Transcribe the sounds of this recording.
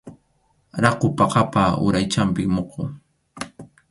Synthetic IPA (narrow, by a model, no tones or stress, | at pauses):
ɾɑqʊpɑqɑpaʊ̰ɾajt͡ʃampɪkmoqʰoː